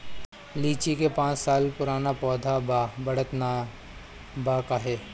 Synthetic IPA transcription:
liːt͡ʃikepãːt͡ʃsaːlpʊɾaːnapɔːd̪ʱabbɐɽət̪na | baːkaɦeː

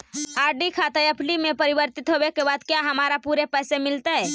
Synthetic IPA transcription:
aːɾɖikʰaːt̪eəpʰlimẽpəɾibəɾt̪it̪ɦobekebaːd̪kjaɦəmaːɾapuɾepɛːsemɪlt̪eɦɛː

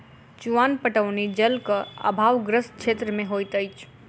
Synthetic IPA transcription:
t͡ʃuanpəʈəʋnid͡ʒəlkəə̰bʱaʋɡɾəst͡ʃʰet̪ɾəmeɦojt̪əjt͡ʃʰ

